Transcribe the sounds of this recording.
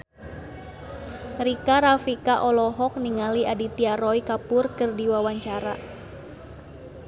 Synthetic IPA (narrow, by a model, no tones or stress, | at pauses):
ɾikaɾafikaʔɔlɔɦɔk̚niŋaliadit̪iaɾɔjkapʊrkɨrdiwawaɲt͡ʃaɾa̰